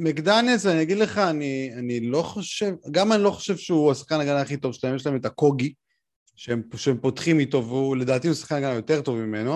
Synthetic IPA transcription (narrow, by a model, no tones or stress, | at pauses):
mekd̪anesaniaɡidle̞χaːnianilo̞χoʃevɡamanilo̞χo̥ʃe̞vʃeuasḁχkanaɡanaχit̪o̞vʃe̥laemjeʃlaeme̞tako̞ɡi | ʃeemʃeempo̞tχimit̪o̞vule̞d̪aːt̪iusḁχkanaɡanajo̞te̞ʁto̞vmime̞no̞